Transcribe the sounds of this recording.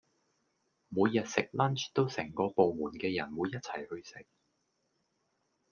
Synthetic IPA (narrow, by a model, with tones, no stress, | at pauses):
muː˨˧jːɐ˨t̚sɪ˨k̚lɐ˥nt͡ʃt̪o˥wsɛ˨˩ŋkɔː˧po˨wmuː˨˩nkɛː˧jɐ˨˩nwuː˨˧jːɐ˥t̚t͡sʰɐ˨˩jhɵ˧ɥsɪ˨k̚